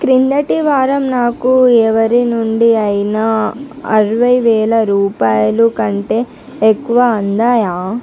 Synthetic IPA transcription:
kɾind̪ɐʈiʋaːɾɐmnaːkuɛːʋɐɾinuɳɖiɐjinɐɐɾɐʋɐjʋɛːɭɐɾuːpaːjɐlukɐɳʈe̞ː | kːuʋɐɐnd̪aːjaː

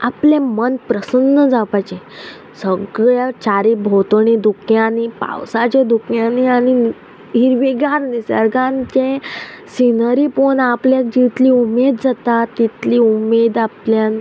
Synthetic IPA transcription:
apljẽmənpɾəsənːəd͡zapajt͡ɕẽ | səɡɭjat͡ɕaɾibʱot̪əɳid̪ukʰjãnipa̰wsat͡ɕed̪ukʰjãniañi | iɾʋiɡaɾnisəɾɡãnt͡ɕẽsinəɾiponapljad͡ʑit̪liumed̪d͡zat̪at̪ːit̪liːumed̪aplja

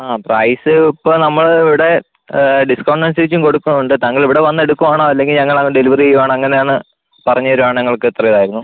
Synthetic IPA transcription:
aːprɐjsɨipːonɐmːɐɭiʋiɽe̞ | ɖiskɐʋɐɳɖɐnsiʋit͡ɕːumko̞ɽukːunːɐuɳɖɨt̪ɐŋːɐɭiʋiɽe̞ʋɐnːe̞ɽukːumaːɳoːɐlːe̞ŋɡilɲɐŋːɐɭɐŋːɖeliʋɐriejːumaːɳɐŋːɐne̞jaːɳɨ | pɐrɐɲːɐoɾuaːɳɲɐŋːɐɭkɨet̪ːrɐiðaːjiɾunːu

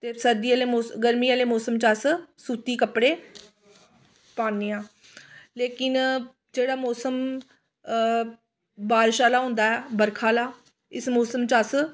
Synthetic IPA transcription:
t̪eːsəɾd̪iːaːleːmoːsɡəɾmiːaːleːmɔːsəmt͡ʃassuːt̪iːkəpɽeː | paːneːãː | leːkɪn | d͡ʒeːɽaːmɔːsəm | baːɾʃaːlaːɦʊ̃ːnd̪aːɛːbəɾkʰaːlaː | ɪsmoːsəmt͡ʃaːs

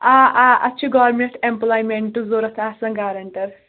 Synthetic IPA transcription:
aʔaɐtːt͡ʃʰuɡaːɾmeʈemplaːjmeɳʈːuzoːɾɐt̪ʰasɐ̃ŋɡaːɾɐɳʈɐɾ

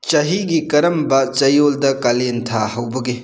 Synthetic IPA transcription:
t͡ʃɐɦiɡikɐɾɐmbɐt͡ʃɐjoldɐkalentʰaɦɐwbɐɡe

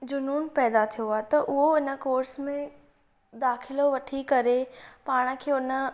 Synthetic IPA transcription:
d͡ʑʊnuːnpɛːd̪at̪ʰijoaːɦet̪ɐʔʊɦoɪnə̆koːɾsmẽ | d̪aːxɪloʋɐʈʰikɐɾepaːɽ̃ə̆kʰeːʊnə

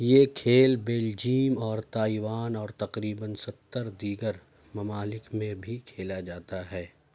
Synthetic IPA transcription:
jekʰeːlbeːld͡ʒiːmɔːɾt̪aːiʋaːnɔːɾt̪ɐqɾiːbənsɐt̪ːəɾd̪iːɡəɾ | mɐmaːlɪkmẽbʱikʰeːlad͡ʒaːt̪aɦɛː

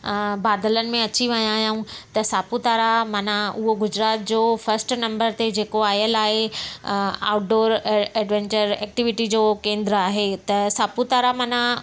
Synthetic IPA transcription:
baːd̪ələnɪ̆mẽɐt͡ɕiʋɐ̃ɲãːjãũt̪ɐsaːput̪aːɾamɐnãʊɦoɡʊd͡ʑɾaːt̪̚d͡ʑoːfɐɾsʈnɐ̃mbəɾt̪ed͡ʑeːkoaːjəlaːɦe | a̰ːʊʈ̚ɖoːɾɛːɖʋẽːɲt͡ɕəɾɛːk̚ʈɪʋɪʈid͡ʑoːkẽːnd̪ɾəaːɦet̪ɐsaːput̪aːɾamɐnã

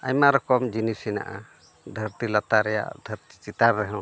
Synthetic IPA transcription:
a̰jmaɾɔkɔmd͡ʒinisina̰ʔa̰ | d̪ʱəɾt̪ilat̪aɾɛja̰ʔd̪ʱəɾt̪i̥t͡ʃit̪aɾɾɛɦɛ̃

